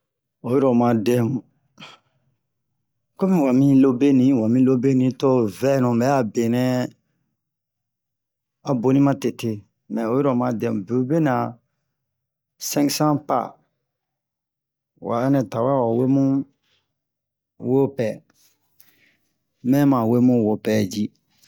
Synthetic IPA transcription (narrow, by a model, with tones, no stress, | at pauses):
o˨ji˦ɾɔ˨mã˧˨de˦mu˨ | ko˦mĩ˨wa˨mĩ˦lo˧be˦nĩ˨˦wa˨mĩ˧lo˦be˦nĩ˨˦to˦vɛ˦nũ˨mɛ˨˦a˦˨be˨nɛ̃˦ | a˨bo˨nĩ˦mã˦te˨te˧˨ | mɛ̃˨o˨˦i˦ɾɔ˨mã˧dɛ̃˦m˨be˨u˦be˦nã˨ | sɛ̃˦ŋksã˦pa̰˦˨ | wʔa̰˨ɛ˦nɛ̃˨ta˨wa˦˨wa˨we˦mũ˦ | wo˦pɛ˨ | mɛ̃˦mã˨we˦mũ˦wo˨pɛ˨d͡ʒi˦